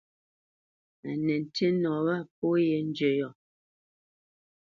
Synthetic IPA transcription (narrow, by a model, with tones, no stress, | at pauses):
a˨nɛ˨n̩˨tʰe˦nɔ˨βa˦˨p̚o˦jɛ˨n̩˦d͡ʒə˨jɔ˨